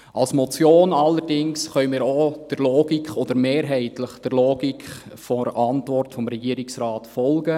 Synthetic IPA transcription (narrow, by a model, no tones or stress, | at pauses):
ʔɑlsmɔt͡sjoːnɑlːəɾdɪŋsχœʏmiːɾod̥əɾloːɡ̥ikχɔd̥̪əɾmeːɾɦɛɪtləχd̥əɾloːɡikχfɔɾɑntʋɔrtfɔmɾɛɡiəɾɪksɾɑːtfɔlɡə